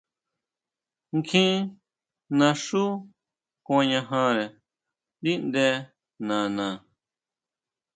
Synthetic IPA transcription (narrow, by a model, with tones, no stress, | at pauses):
ŋkʰĩ˦ | nã˧ʂu˦ | kã˧ɲã˧ɦã˧ɾe˨ | d̪i˦nd̪e˧˦ | nã˨nã˨